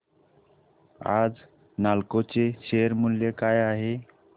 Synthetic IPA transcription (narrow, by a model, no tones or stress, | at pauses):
a̰d͡z | nalkot͡seɕejəɾmuljekajaɦe